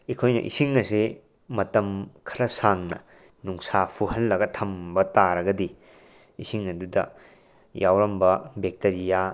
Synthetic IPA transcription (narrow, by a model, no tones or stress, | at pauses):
ikʰojnɐ̰ʔḭsiŋɐse | mɐtɐmkʰɐɾɐsaŋnɐ̰ | nuŋsapʰuhɐlːɐɡɐtʰɐmbɐtaɾɐɡɐdi | isiŋɐdudɐ̰ | jʔawɾɐmbɐbek̚tɐɾija